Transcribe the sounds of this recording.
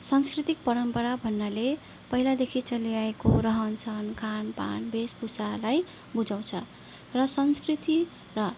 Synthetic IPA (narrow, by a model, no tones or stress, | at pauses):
sʌnskrit̪ik̚pʌɾʌmpʌɾabʱʌnːale | pʌɦilad̪ekʰit͡sʌlijaekoɾʌɦʌnt͡sʰʌnkʰanpa̰nbespusalaj | bud͡zaw̃t͡sʰʌ | rʌsʌnskrit̪i | rʌ